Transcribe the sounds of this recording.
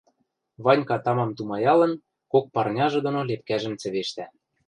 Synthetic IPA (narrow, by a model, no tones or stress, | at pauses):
βɑnʲkɑt̪ɑmɑmt̪umɑjɑlɤ̆n | kok̚pɑrnʲɑʒɤ̆d̪ŏnolep̚kæʒɘ̆mt͡sɘ̆βeʃt̪æ